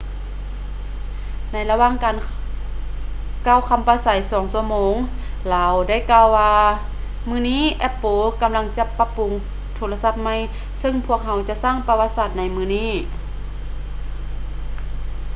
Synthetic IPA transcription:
na˧˥jla˧waː˧˥˨ŋkaː˨˩n | ka˧˥˩wkʰa˧mpaː˧sa˨˦jsɔː˨˩˦ŋsu˧əmoː˧˦ŋ | laː˨˦wda˥˩˨jkaː˧wwaː˧ | mɯː˧˩niː˥˨ʔɛ˦˥pːoː˧˦ka˨mla˧ŋt͡ɕa˧˦pa˧˥pu˨˦ŋ | t̪ʰoː˧˦la˧sa˧˩p̚ma˧˥˨j | sɤ˧ŋpʰu˧˩ək̚ɦa˧wt͡ɕa˧˦ʔsaː˥˨ŋpa˧wa˧t̪̚saː˧˩t̪̚na˧jmɯː˧˩niː˥˩

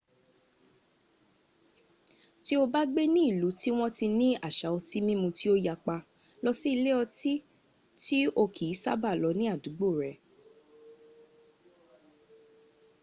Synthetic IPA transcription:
ti˦o˧ba˦ɡ͡be˦nĩ˦i˦˨lu˨˦ti˦w̃ɔ̃˦ti˧nĩ˦a˦˨ʃa˨˦ɔ˧ti˦mĩ˦mũ˧ti˦o˦ja˧k͡pa˧ | lɔ˧si˦i˧le˦ɔ˧ti˦ | ti˦o˧kʰi˨i˨˦sa̰˦ba˦˨lɔ˨˧˦nĩ˦a˦˨du˨˦ɡ͡bo˦˨ɾɛ˨˦

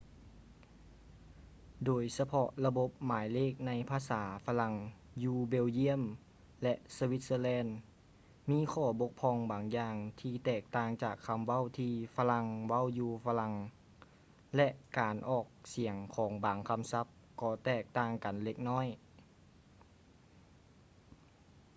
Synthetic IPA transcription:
doː˨˩jsa˧pʰɔ˧˥ʔla˧bo˧˦p̚maː˨˦jleː˥˩k̚na˧jpʰaː˧saː˩˦fa˧la˧˥ŋ | juː˧be˧˨wji˧˥əm | lɛ˧ʔsa˧wi˧˦t̪̚səː˧˨lɛː˧˥n | miː˧˥˨kʰɔː˧˩bo˧˦˥k̚pʰɔː˧ŋbaː˨˩ŋjaː˧ŋt̪ʰiː˧t̪ɛː˧˨˩k̚t̪aː˧˩ŋt͡ɕaː˨˩kʰːa˧mʋa˧˥˨wt̪ʰiː˧fa˧la˧ŋwa˥˨wjuː˧fʰa˧la˧ŋ | lɛ˧ʔkaː˨nʔɔː˨˩k̚si˨˩˦əŋkʰɔː˩˦ŋbaː˨˩ŋkʰa˧˥msa˧˦˥p̚kɔː˧˩t̪ɛː˧˩k̚t̪aː˧˩ŋka˨nle˧˥k̚nɔː˥˨j

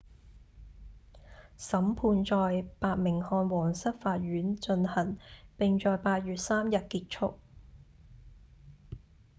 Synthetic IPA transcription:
sɐ˨˥mpʰuː˧nt͡sɔː˨jpaː˧t̚mɪ˨˩ŋhɔː˧nwɔː˨˩ŋsɐ˥t̚faː˧t̚ɥyː˨˥nt͡ʃɵ˧nhɐ˨˩npɪ˨ŋt͡ʃɔː˨˧jpaː˧t̚ɥyː˨t̚saː˥mjɐ˨t̚kiː˧t̚t͡ʃʰʊ˥k̚

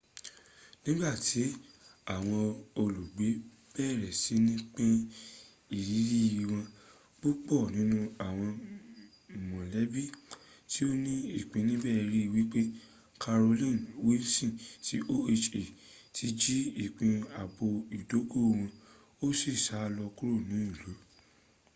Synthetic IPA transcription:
nĩ˦ɡ͡ba˦˨ti˨˦ | a˦˨w̃ɔ̃˧o˧lu˨ɡ͡be˨˦ | b̥ɛː˦˨ɾɛ˨si˨˦nĩ˦k͡pẽ˦ | i˦˨ɾi˨˦ɾi˦˧i˧w̃ɔ̃˧ | k͡po˦k͡pɔ˦˨nĩ˨˦nũ˦a˦˨w̃ɔ̃˧˨ | mɔ̃˨lɛ˨˦bi˦˨ | ti˦o˦nĩ˦i˦˨k͡pĩ˨˧nĩ˦bɛ˦˧˦ɾi˦i˧˨wi˦k͡pe˦ | kʰa˧ɾo˧lĩ˦˨nwe˦sĩ˦˨ti˨˦ʔo˦e˧t͡ʃe˨ | tʰi˨˦d͡ʒi˦i˦˨k͡pĩ˧a˨bo˧i˨do˨˦ko˦˨w̃ɔ̃˧ | o˦si˦˨ʃa˨˦˧lɔ˧ku˦ɾo˦˨nĩ˨˦i˦˨lo˨˦

